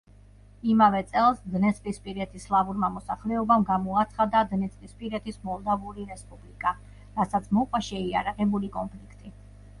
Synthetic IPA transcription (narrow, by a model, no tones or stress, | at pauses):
imavɛt̪sʼɛlˠsd̪nɛsʼkʼispʼiɾɛt̪ʰislˠavuɾmamɔsaχlɛɔbamɡamɔat̪sʰχad̪ad̪nɛt̪sʼkʼlʼispʼiɾɛt̪ʰismɔlˠd̪avuɾiɾɛspʼublikʼa | ɾasat̪sʰmɔqʼwaʃɛia̰ɾaʁɛbulikʼɔnpʰlikʰt̪ʼi